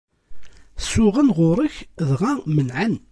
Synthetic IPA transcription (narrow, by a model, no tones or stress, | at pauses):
sʊʁənʁʊɾˤəçðʁæmənʕan